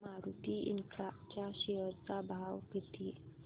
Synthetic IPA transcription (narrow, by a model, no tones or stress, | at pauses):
aɾut̪iʔḭnkɾap̚t͡ɕaɕeɦəɾt͡sabʱawkət̪i